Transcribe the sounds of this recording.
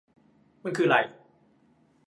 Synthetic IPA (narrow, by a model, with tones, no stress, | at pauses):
ma˧˨nkʰɯː˧˩ɾa̰˨˩j